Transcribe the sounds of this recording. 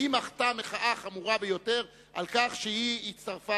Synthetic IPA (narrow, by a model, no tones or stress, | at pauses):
imaχtameχaʔaχamuʁabejo̞te̞ʁ | ʔalkaχʃeiitt͡st̪aʁfa